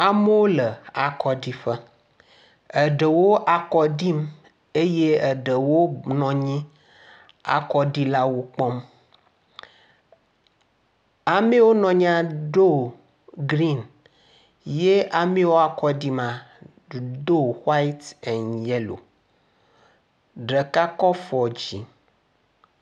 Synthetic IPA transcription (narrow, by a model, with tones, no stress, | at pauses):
a˨me˦wo˦lə˨a˨kɔ˦di˦ɸə˦ | ə˨ɖə˨wo˦ʔa˨kɔ˦ɖi˦m | e˦je˦ə˨ɖə˨wo˦nɔ̃˨ɲĩ˦ | a̰˨kɔ˦ɖi˦la˦wo˦k͡pɔ˦m | a˨mẽ˦wo˦nɔ̃˨ɲ˦ã˦ɖo˦ | ɡɾi˦˨n | je˦a˨mẽ˦wo˦a˨kɔ˦di˦mã˨ | do˦wa˦i˦t̪ɛ̃˨njɛ˦lo̰˨ | ɖe˨ka˦kɔ˦fɔ˨d͡ʑi˨